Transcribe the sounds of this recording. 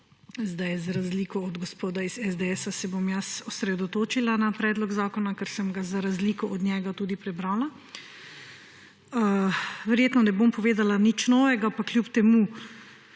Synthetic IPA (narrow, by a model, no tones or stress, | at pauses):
zd̪ajzɾazliːkɔɔd̪ɡɔspoːd̪aizɛzd̪eɛːsasɛbomjasɔsɾɛd̪ɔt̪oːt͡ʃilanapɾɛːd̪lɔɡzaːkɔnakɛɾsəmɡazaɾazliːkɔʔɔd̪nʲjɛːɡat̪uːd̪ipɾɛbɾaːla | əʋɛɾjeːt̪nɔnɛbompɔʋeːd̪alanit͡ʃnɔːʋɛɡapaklʲjupt̪ɛmu